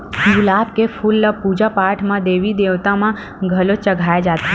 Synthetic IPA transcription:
ɡʊlaːb̚kepʰʊlːəpuːd͡ʒapaːɾʈʰmãd̪eːʋid̪eːʋt̪ãmã | ɡʱɐlot͡ʃɐɡʱaːjed͡ʒaːt̪ɦɛ

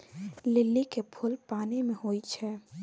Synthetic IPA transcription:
lɪlːikepʰʊlpaːnimẽɦoːit͡ʃʰɛː

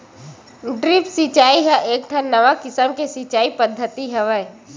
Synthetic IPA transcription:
ɖɾɪpsɪt͡ʃaːiɦaʔeːk̚ʈʰãnəʋakɪsəmkesit͡ʃaːipəd̪ʱːət̪iɦəʋəj

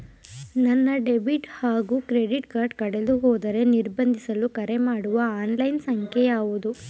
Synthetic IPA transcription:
nɐnːɐɖebiʈhaːɡuːkɾeɖiʈkaːɾɖkɐɽeluɦɔːd̪ɐɾe̞niɾbɐnd̪ʱisɐlukɐɾemaːɽuʋɐaːnlɐjnsɐŋkʰejaːʋud̪u

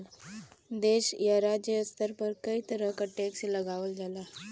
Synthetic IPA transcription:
d̪eɕjaɾad͡ʑəjəst̪əɾpəɾkəit̪əɾəkəʈːeksiləɡaʋəld͡zala

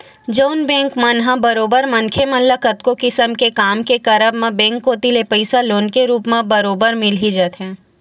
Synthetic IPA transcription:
d͡ʒəʊnbɛ̃ːŋkmãnɦãbəɾoːbəɾmɐ̃nkʰemɐ̃nləkət̪̚kokɪsəmkekaːmkekɐɾəbmãbɛ̃ːŋkːot̪ilepəɪsaloːnkeɾuːpmãbɐɾoːbəɾmɪlɦid͡ʒət̪ɦɛ̃ː

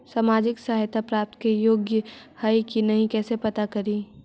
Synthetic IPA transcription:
saːmaːd͡ʒɪksaɦajt̪ʰapɾaːp̚t̪kejoːɡjə | haikinɐɦĩkɛːsepɐt̪akɐɾiː

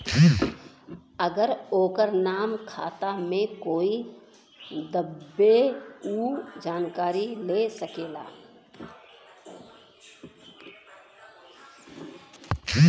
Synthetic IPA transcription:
əɡəɾoːkəɾnaːmkʰaːt̪amẽkoːi | d̪əbːeuːd͡ʒaːnkaːɾilesəkeːla̰ː

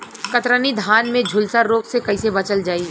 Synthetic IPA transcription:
kɐt̪ɾənid̪ʱaːnmẽd͡ʒʱʊlsaɾːoːksekɐisebɐt͡ʃəld͡ʒaːi

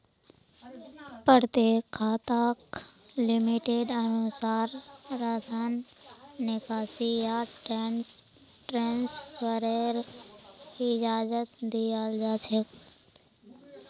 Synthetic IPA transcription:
pəɾt̪ekʰːaːt̪aːklɪmiʈeɖənʊsaːɾɾəd̪ʰʱənː | ɪkaːsijaʈɾɛns | ʈɾãːnspʰəɾeɾ | ɪd͡ʒaːd͡ʒət̪d̪ijaːld͡ʒaːt͡ʃʰek

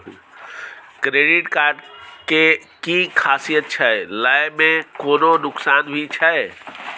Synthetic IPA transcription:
kɾeːɖɪʈkaːɾɖkekikʰaːsijət̪̚t͡ʃʰɛelajmẽkoːnonʊksaːnbʱit͡ʃʰɛ

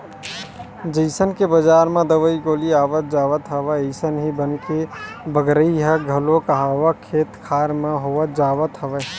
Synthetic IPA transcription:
d͡ʒəɪsənkebəd͡ʒaːɾmẽd̪əʋəikoːliaːʋət̪̚d͡ʒaːʋət̪ɦəʋəəɪsənɦibənkebəɡɾəiɦəɡʱɐlõkəɦaːʋəkʰeːt̪kʰaːɾmẽɦoʋət̪̚d͡ʒaːʋət̪ɦəʋe

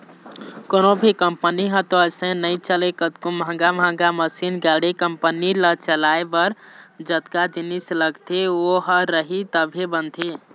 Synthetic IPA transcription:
konobʱikəmpəniɦə̃t̪oəsə̃nəit͡ʃəlekət̪kumɦə̃ŋɡamɦə̃ŋɡaməsinɡaɽekəmpənilət͡ʃəlaebəɾd͡ʒət̪kad͡ʒinisləɡt̪ʰeoɦəɾəɦit̪əbʱebənt̪ʰe

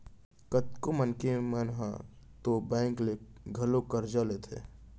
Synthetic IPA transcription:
kət̪komənkemənɦã̰ | t̪obɛ̃ːŋkleɡʱəlokəɾd͡ʒalet̪ʰḛ

